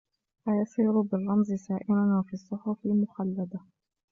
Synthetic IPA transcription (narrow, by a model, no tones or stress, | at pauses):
ʔajɑsˤiːɾʊbɪrˤːɑmzsaːʔɪnanwafiːɑsˤːʊħʊfɪlmʊxalːad̪a